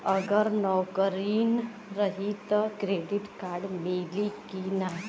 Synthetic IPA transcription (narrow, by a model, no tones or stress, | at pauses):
əɡəɾnɔwkəɾiːn | ɾəɦit̪kɾeɖiʈkaɾɖmelikina